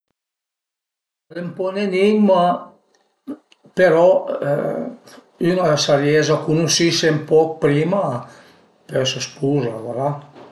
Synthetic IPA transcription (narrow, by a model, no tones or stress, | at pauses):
lempɔnenima | peɾɔ̰ | ynasaɾjɛzakunusisempɔk̚pɾima | pɛsəspuzavaɾa